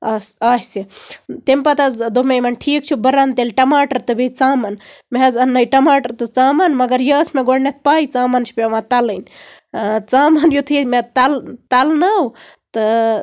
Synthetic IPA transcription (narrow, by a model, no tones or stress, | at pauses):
asaːsit̪empɐt̪ɐzd̪omejmɐnʈʰiːk̚t͡ʃʰubəɾant̪elʈɐmaːʈɐɾt̪ɨbit͡saːmɐnmeɦɐzɐnːɐjʈɐmaːʈɐɾt̪ɨt͡saːmɐnmɐɡɐɾjɐsmeɡoɽnet̪̚ʰpaːit͡saːmɐnt͡ʃʰi̥pɐʋãt̪ɐlənʲ | t͡saːmɐnjut̪ʰɨmet̪ɐlt̪ɐlnɐw | t̪ɨ